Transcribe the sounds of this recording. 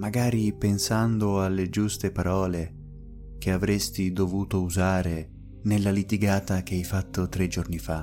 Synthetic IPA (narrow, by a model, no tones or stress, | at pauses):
maɡaːɾipensand̪oalːed͡ʒust̪epaɾʔɔːle | k̟eavɾest̪id̪ovuːt̪ouzaːɾe | nelːalit̪iɡaːt̪ak̟eɛjfat̪ːot̪ɾed͡ʒornifa